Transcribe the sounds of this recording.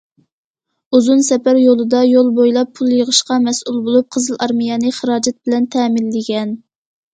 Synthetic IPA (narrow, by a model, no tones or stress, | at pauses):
uzunsɛpæɾjolˠɨd̪ɑjolˠbojlˠɑpʰːulˠjəʁəʃqɑmɛsʔulˠbolˠup̚qʰəzɨlˠʔɑɾmijɑnɨχəɾɑːd͡ʒɛt̪̚bɪlɛnt̪ʰɛmɪlːɪɡʲɛn